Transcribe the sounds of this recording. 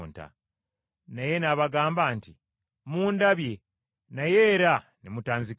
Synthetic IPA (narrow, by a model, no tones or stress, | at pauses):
nta̰ | naje̞naβaɡaːmbaːnti | muːndaβje̞ | naje̞ːɾa | nemutaːnzik